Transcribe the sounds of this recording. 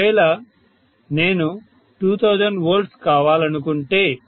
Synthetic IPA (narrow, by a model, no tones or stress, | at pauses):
eːlɐ | ne̞ːnu | ʈuːt̪ʰɐwd͡ʒɐɳɖʋɐːɾɖskaːʋaːlɐnukuɳʈe̞ː